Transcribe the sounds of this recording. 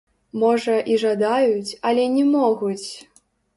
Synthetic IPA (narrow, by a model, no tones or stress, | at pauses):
mɔʐɐʔiʐad̪ajut͡sʲɐlʲɛnʲɛmɔɣut͡sʲ